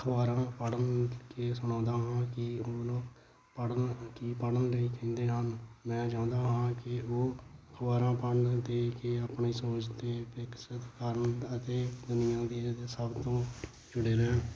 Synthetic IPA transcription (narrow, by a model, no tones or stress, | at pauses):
kʰʋaːɾãːpəɽənkeːsʊɳ̃ãːnd̪aːɦãːkɪoloː | pəɽəkiːpəɽənleiːkə̃nd̪eːɦənmɛ̃ːd͡ʒãːʊ̃nd̪aːɦãːkɪoːkʰəʋaːɾãːpəɳd̪eːkeːəpɳiːsoːt͡ʃt̪eːpɪksət̪kəɾəɳət̪eːd̪ʊnɪjãːd̪iːsəbt̪õː | d͡ʒʊɽeːɾeː